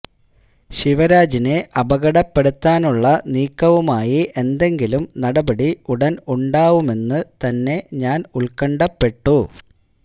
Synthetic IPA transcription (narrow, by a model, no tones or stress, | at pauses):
ɕiʋɐɾaːd͡ʑine̞ʔɐbɐɣɐɽɐpːe̞ɽut̪ːaːnuɭːɐniːkːɐʋumaːjiʔe̞nd̪e̞ŋɡilumnɐɽɐbɐɽiuɽɐnuɳɖaːʋume̞nːɨt̪ɐnːe̞ɲaːnuɭkɐɳɖɐpːe̞ʈːu